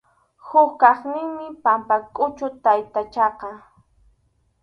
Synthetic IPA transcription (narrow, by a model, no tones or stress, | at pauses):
hʊkkɑχnɪŋmɪpampakʼʊt͡ʃʊt̪ajt̪at͡ʃɑqɑ